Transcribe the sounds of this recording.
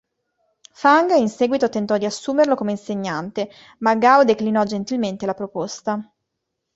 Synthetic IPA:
faŋɡinsɛːɡwit̪ot̪ent̪ɔd̪ːiasːuːmerlokomeinseɲːant̪e | maɡawd̪eklinɔd͡ʒent̪ilment̪elapɾopost̪a

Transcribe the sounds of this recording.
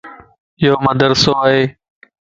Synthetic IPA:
joːməd̪əɾsoːɦeː

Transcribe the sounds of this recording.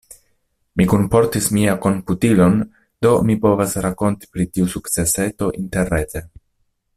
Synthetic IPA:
mikumpo̞ɾtismiako̞mputilo̞n | d̥o̞mipo̞vasɾako̞nti̥pɾitiusukt͡se̞se̞to̞ʔinte̞ɾːete

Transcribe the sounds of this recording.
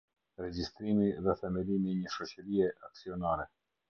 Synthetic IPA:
ɾɛɟist̪ɾimiðɛθɛmɛlimiɲəʃɔt͡ɕəɾiɛʔaksiɔnaɾɛ

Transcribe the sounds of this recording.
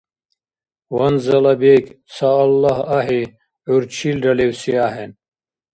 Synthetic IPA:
wɐnzɐlɐbek | saːlːahaɦi | uɾt͡ɕʰilɖɐlewsiaːɦen

